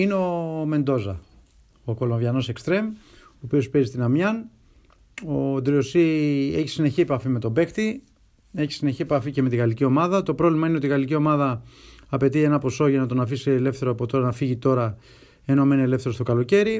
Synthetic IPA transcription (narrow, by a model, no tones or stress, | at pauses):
ineo̞me̞nd̪o̞zɐ | oko̞loɱvjɐno̞se̞kst̪ɾe̞m | oːpio̞spezist̪inɐmjɐn | od̪ɾio̞sieçi̥sine̞çiepɐfime̞t̪o̞be̞xt̪i | e̞çi̥sine̞çie̞pɐficeme̞t̪iɣɐlicio̞mɐðɐt̪o̞pɾo̞vlimɐineot̪iɣɐlicio̞mɐðɐːpe̞t̪ie̞nɐpo̞so̞ʝɐnɐt̪o̞nɐfisile̞fθe̞ɾoɐpot̪o̞ɾɐnɐfiʝit̪o̞ɾɐ | enomenele̞fθe̞ɾost̪o̞kɐlo̞ce̞ɾi